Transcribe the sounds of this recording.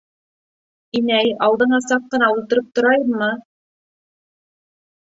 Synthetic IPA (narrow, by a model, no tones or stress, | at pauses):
inæjɑlˠd̪ɤ̆ɴɑsɑqːɤ̆nɑulˠt̪ɤ̆ɾɤp̚t̪ŏɾɑjɤmːɤ